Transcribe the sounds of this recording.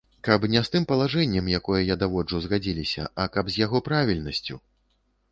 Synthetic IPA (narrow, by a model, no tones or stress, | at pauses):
kɐpnʲɛst̪ɨmpɐlˠaʐɛnʲːɛmjakɔjɐjad̪avɔd͡ʐuzɣad͡zʲilʲisʲɐ̰ʔɐkɐbzʲjaɣɔpɾavʲilʲnɐsʲt͡sʲṵ